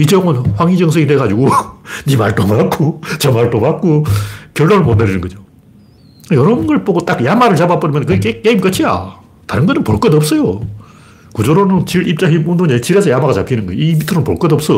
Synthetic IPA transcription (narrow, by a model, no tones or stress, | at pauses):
it͡ɕʌŋɯnɸwaŋid͡ʑʌŋsʰʌɡideɡad͡ʑiɡoɲimaɭt͈omak͈̚ot͡ɕʌmaɭt͈omak̚k͈okjʌɭːonɯɭmondeɾinɯnɡʌd͡ʑo | jʌɾʌbunɡʌɭpoɡot͈akjamaɾɯɭt͡ɕabap͈ʌɾɯmjʌnkɯekek͈eimk͈ʌt͡ɕʰija̰ | taɾɯnɡʌnɯnpoɭk͈ʌdʌp̚s͈ʌjo | kud͡ʑʌɾonɯnt͡ɕiɾip̚t͡ɕ͈aɦimundoɲet͡ɕiɾesʰʌjamaɣat͡ɕapʰinɯnɡʌjimitʰɯɾɯnpoɭk͈ʌdʌps͈ʌ